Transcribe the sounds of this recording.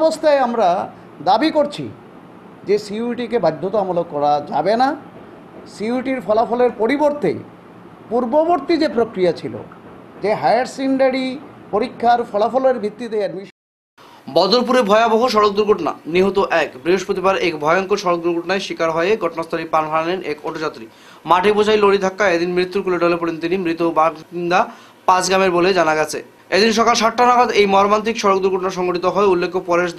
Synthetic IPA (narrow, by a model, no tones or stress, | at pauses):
bost̪ʰaeamɾa | d̪abikoɾt͡ɕʰḭ | d͡ʑesiuʈikebajd̪ʱːot̪oamolok̚kːɔɾad͡ʑabena | siuʈiɾfɔlafɔleɾpoɾiboɾt̪ḛ | puɾboboɾt̪id͡ʑepɾokɾijat͡ɕʰilo̰d͡ʑeɦajaɾsiɳɖaɽipoɾikʰːaɾfʰɔlafɔloeɾbʱit̪ːit̪eɛɖmiʃ | bɔd̪oɾp̬uɾebʱɔeaboɦoʃ̬ɔɾok̚d̪uɾɡʱoʈona̰niɦot̪oʔɛkbɾiɦoʃpɾot̪̬ibaɾekbʱɔjoŋkoʃɔɾok̚d̪uɾɡʱoʈnaeʃikaɾɦɔeeɡʱɔʈonast̪ʰɔɾipanɦaanenʔekoʈod͡ʑat̪ːɾi | maʈibot͡ɕʰajloɽid̪ʰʱakːaed̪inmɾit̪ːuɾkuleɖɔlepoɽent̪inimɾit̪obaind̪a | pãt͡ɕɡɾameɾboled͡ʑanaɡɛt͡ɕʰḛ | ed̪inʃ̬ɔkalʃaʈːanaɡod̪ejmɔɾomant̪̬ɾikʃɔɾok̚d̪uɾɡʱoʈonaɾʃɔŋɡoʈit̪oɦɔeulːekʰːopɔɾeʃ